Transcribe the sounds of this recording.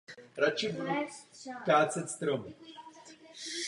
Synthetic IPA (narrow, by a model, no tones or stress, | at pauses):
ɾat͡ʃɪbu | kaːt͡sɛt̪st̪ɾom